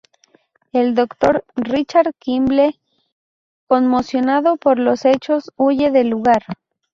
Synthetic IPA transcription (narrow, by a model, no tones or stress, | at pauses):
e̞ld̪o̞kt̪o̞ɾrit͡ʃaɾkimble | ko̞nmo̞sjo̞naðopo̞ɾlo̞se̞t͡ʃo̞suʝe̞ðeluɣaɾ